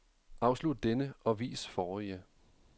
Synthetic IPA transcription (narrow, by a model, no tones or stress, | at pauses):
ʔɑ̈ʊslud̥̚d̥enəʔɒ̽ʋḭːsfɒːjə